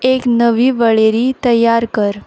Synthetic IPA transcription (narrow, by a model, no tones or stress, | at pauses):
eknəʋiːʋəɭeɾiːt̪əjːaɾkəɾ